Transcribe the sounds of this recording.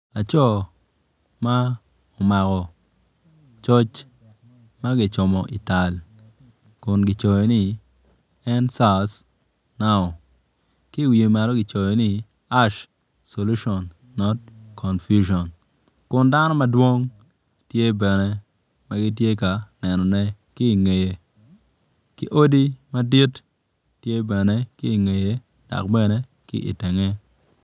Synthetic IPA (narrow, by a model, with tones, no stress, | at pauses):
a˨t͡ʃɔ˦ | ma˦ | ɔ˨ma˨kɔ˨ | t͡ʃɔ˦t͡ʃ | ma˦ɡɪ˨t͡ʃʊ˨mɔ˨ʔi˨ta˨l | kʊ˨nɡɪ˨t͡ʃo˨jo˨nɪ˦ | ɛ˦nsa˦s | na˦ɔ˨ | kɪ˦˨wi˨e˨ma˨ɾɔ˦ɡɪ˨t͡ʃo˨jo˨nɪ˦ | a˦ʃ | so˨lu˦ʃɔ˨nː | ɔ˦t̚kʰɔ˨nfju˦ʃɔ˨n | kʊ˨nda˦nɔ˦mɐ˦dwo˦ŋ | tje˦bɛ˨ne˦ | ma˦ɡɪ˦t̬je˦ka˨nɛ˨nɔ˨nɛ˦ | kɪː˦˨ŋe˨je˨ | kɪ̰˦ʔo˦di˦mɐ˦di˦t | tːje˦bɛ˨ne˦kɪ˦i˨ŋe˨je˨ | d̥a̰˨kbɛ˦ne˦ | kɪ̰˦ʔḭ˨te˨ŋe˦